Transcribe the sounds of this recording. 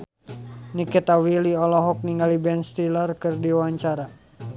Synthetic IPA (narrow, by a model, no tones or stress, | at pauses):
nikɛt̪awiliɔlɔɦɔk̚niŋɡalibɛnst̪ilarkɨrdiwaɲt͡ʃaɾa